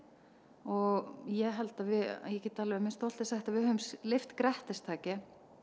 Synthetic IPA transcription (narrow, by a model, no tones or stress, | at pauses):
ɔɣjɛɦɛlt̪avɪa̰jɛcɪt̪ʰːaːlɪʏmɪst̪ohl̥t̪ɪsɛxt̪avɪðhœʏmslɪft̪kɾɛht̪ɪst̪ʰaːcɪ